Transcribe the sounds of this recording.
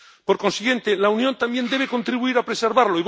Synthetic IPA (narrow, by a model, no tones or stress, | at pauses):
po̞ɾko̞nsiɣjẽ̞nt̪elaunjont̪ambje̞nd̪e̞β̞eko̞nt̪ɾiβuiɾapɾe̞se̞ɾβaɾloiβ